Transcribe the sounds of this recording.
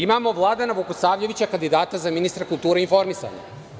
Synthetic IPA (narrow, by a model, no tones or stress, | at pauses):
imamo̞ʋlˠaːd̪anaʋukosaːʋʎe̞ʋit͡ɕakand̪id̪aːt̪azaminist̪ɾakulˠt̪uːɾeinfo̞ɾmisa̰ɲa̰